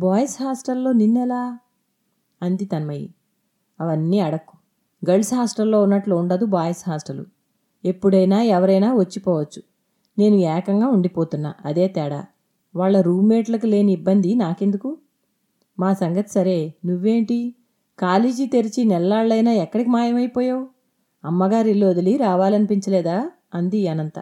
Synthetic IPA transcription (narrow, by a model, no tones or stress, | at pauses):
baːjɐsɦaːsʈɐlːo̞ːninːɛlaː | ɐnd̪it̪ɐnmɐjḭ | ɐʋɐnːiɐɽɐkːu̥ | ɡɐɭsɦaːsʈɐlːo̞ːunːɐʈlouɳɖɐd̪ubaːjɐsɦaːsʈɐlṵ | e̞pːuɽɐjnaːɛʋɐɾɐjnaːʋɐt͡ʃːipɔːʋɐt͡ʃːu̥ | ne̞ːnuɛːkɐŋɡaːuɳɖipoːt̪unːa̰ːʔɐd̪e̞ːt̪ɛːɽa̰ː | ʋaːɭːɐɾuːmeːʈlɐkule̞ːniibːɐnd̪inaːke̞nd̪uku | maːsɐŋɡɐt̪i̥sɐɾe̞ːnuʋːe̞ːɳʈi | kaːleːd͡ʒit̪e̞ɾit͡ʃinɛlːaːɭːɐjnaːɛkːɐɽikimaːjɐmɐjpɔːjaːwu | ɐmːɐɡaːɾilːo̞ːd̪ɐliɾaːʋaːlɐnipiɲt͡ʃɐlɛːd̪aː | ɐnd̪iɐnɐnt̪ɐ̰